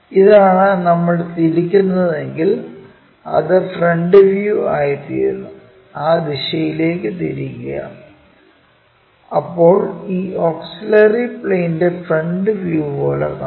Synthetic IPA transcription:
iðaːɳɨnɐmːɐɭt̪iɾikʲːunːɐðe̞ŋɡil | ɐ̰ðɨfreɳɖɨʋjuaːjit̪ḭːɾunːu | aːd̪iɕɐjile̞ːkːɨt̪iɾikʲːɐjɐ̰ | ɐpːo̞ːɭiːoːksilɐripɭejnde̞freɳɖɨʋjuːpo̞ːɭḛrka

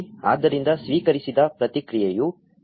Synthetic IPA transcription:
a̰ːd̪ːɐɾind̪ɐsʋiːkɐɾisid̪ɐpɾɐt̪ikɾijɐju

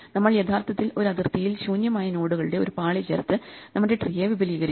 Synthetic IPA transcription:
nɐmːɐɭjet̪ʰaːrt̪ʰɐt̪ːilo̞ɾɐd̪irt̪ijilɕuːnjɐmaːjɐno̞ːɽuɣɐɭɨɽe̞o̞ɾupaːɭit͡ɕḛrt̪ːɨ | nɐmːɐɽe̞ʈrijeːʋibʱɐliːɣɐɾi

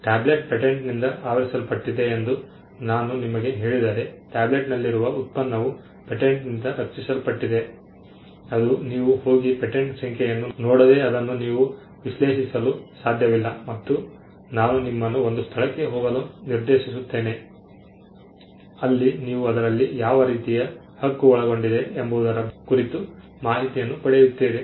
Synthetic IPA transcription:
ʈaːbleʈ̚peʈeɳʈnind̪ɐʔaːʋɐɾisɐlpɐʈːid̪e̞ːnd̪u | naːnunimɐɡe̞ɦe̞ːɭid̪aːɾe̞ʈaːble̞ʈnɐlːiɾuʋɐut̪̚pɐnːɐʋu | peʈeɳʈnind̪ɐɐɾt͡ʃːisɐlpɐʈːid̪e̞ | ɐd̪uniːʋuho̞ːɡipeʈeɳʈsɐŋkɛjɐnːunoːɽɐd̪e̞ɐd̪ɐnːuniːʋu | ʋiʃle̞ːʃisɐlusaːd̪ʱjɐʋilːɐmɐt̪ːu | naːnunimːɐnːuo̞nd̪ust̪ʰɐɭɐkːe̞ɦɔːɡɐluniɾd̪e̞ːʃis̬ut̪ːe̞ːne̞ | ɐlːiniːʋuɐd̪ɐɾɐlːijaːʋɐɾiːt̪ijɐ | hɐɡːuɔɭɐɡo̞ɳɖid̪e̞ːmbuːd̪ɐɾɐkuɾit̪u | maːɦit̪ijɐnːupɐɽejut̪ːeːde

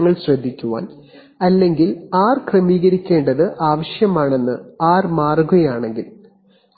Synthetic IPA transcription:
ŋːɐɭɕrɐd̪ʱːikʲːuʋa̰ːn | ɐlːe̞ŋɡilaːrkrɐmiːɣɐɾikʲːe̞ːɳɖɐðɨʔaːʋɐɕjɐmaːɳe̞nːɨaːrmaːrɡɐjaːɳe̞ŋɡil

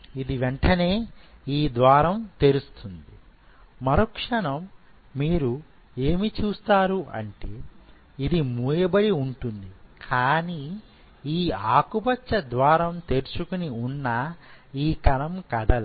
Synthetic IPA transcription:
id̪iʋeɳʈɐne̞ːiːd̪ʋaːɾɐmt̪e̞ɾust̪und̪i | mɐɾokʂɐɳɐmː | iːɾu | e̞ːmit͡ʃuːst̪aːɾuʔɐ̰ɳʈeː | id̪imuːjɐbɐɽiuɳʈund̪ikʰaːni | iːaːkubɐt͡ʃːɐd̪ʋaːɾɐmt̪e̞ɾt͡ʃukuniunːɐiːkɐnɐmkɐd̪ɐl

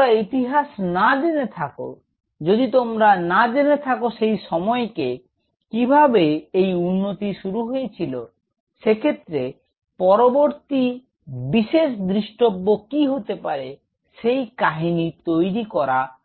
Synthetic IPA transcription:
ɾait̪iɦasnadenet̪ʰako̰ | d͡ʑod̪it̪omɾanad̪enet̪ʰakoʃejʃɔmɔeke | kibʱabeejunːot̪iʃuɾuɦojet͡ɕʰilo | ʃekʰet̪ːɾe | pɔɾoboɾt̪i | biʃeʃd̪ɾiʃʈobːokiɦot̪epaɾe | ʃejkaɦinit̪ojɾikɔɾa

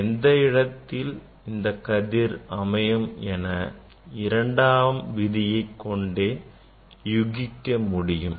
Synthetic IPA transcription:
ɛnd̪ɐɪɽɐt̪ːɪl | ɪnd̪ɐkːɐðɪɾɐmɐjɐmɛnɐ | ɪɾɐɳɖaːʋɐmʋɪðɪjɐɪkːɔɳɖeː | jʊɣɪkːɐmʊɽɪjɯm

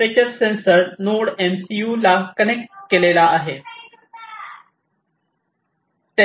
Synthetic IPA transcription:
et͡ɕəɾsensəɾnoɽemsijuːlakənekʈkelelaːɦe | t̪e

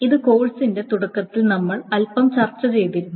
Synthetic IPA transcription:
iðɨko̞ːɭsinde̞t̪uɽɐkːɐt̪ːilnɐmːɐɭɐlpɐmt͡ɕɐrt͡ɕːɐt͡ɕe̞jt̪iɾunː

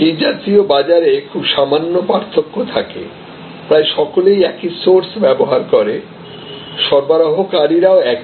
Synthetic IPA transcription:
id͡ʑatiobad͡ʑaɾekʰubʃamanːopaɾt̪ʰːokːot̪ʰakḛ | pɾaeʃɔkolejɛkisoɾsbɛboɦaɾkoɾe | ʃɔɾbaɾaɦokaɾiɾaoɛk

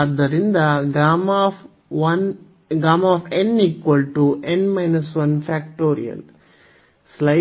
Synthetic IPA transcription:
ɐd̪ːɐɾind̪ɐɡaːmɐf | ʋɐn | ɡɾaːmɐaːfeniːkʋɐlʈuʔẽnmɐɪnɐsʋɐnfæːkʈoːɾḭjɐ̰l | slɐ

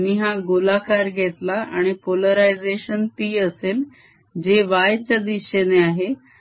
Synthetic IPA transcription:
niɦaɡolakaɾɡʱet̪laʔa̰ɽ̃ipoləɾajd͡zeɕənt̪iːəsel | d͡ʑeʋajt͡ɕad̪iɕeneaɦe

